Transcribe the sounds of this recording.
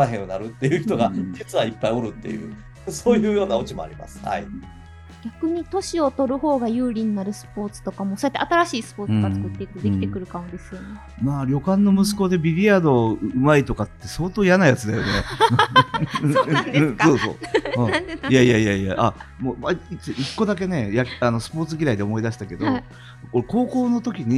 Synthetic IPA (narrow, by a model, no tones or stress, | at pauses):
ɾaɦẽ̞ɰ̃onaɾɯ̟t̪ːe̞jɯ̟çit̪oɡat̪et͡sɨβaipːaio̞ɾɯ̟t̪ːe̞̰jɯ̰ː | so̞ːjɯ̟ːjo̞ːnaot͡ɕimo̞̰a̰ɾʲima̰sɨ̥ha̰i | ɡʲakɯ̟ɲ̟it̪o̞ɕio̞t̪o̞ɾɯ̟ho̞ːɡajɯ̟ːɾʲiɲ̟inaɾɯ̟sɨ̥po̞ːt͡sɨ̥t̪o̞kamoso̞jat̪ːeat̪aɾaɕiːsɨ̥po̞ːɨɡat͡sɨ̥kɯ̟t̪ːe̞ikɯd̪e̞kʲit̪e̞kɯ̟ɾɯ̟kãd̪e̞sɨjone | maːɾʲo̞kãnːo̞mɯ̟s̬ɨ̥ko̞d̪e̞bʲiɾʲiad̪o̞ɯ̟mait̪o̞kat̪ːe̞so̞ːt̪o̞ːjanajat͡sɨd̪ajo̞ne | so̞ːsõ̞̰ː | jaijaijaija̰ʔa̰moːmaiiʔikːo̞d̪ak̬e̞ne̞jakano̞sɨ̥po̞ːt͡sɨɡʲiɾaid̪e̞omo̞id̪aɕi̥t̪ake̞d̪o | koɾeko̞ːko̞ːno̞t̪o̞kʲiɲ̟i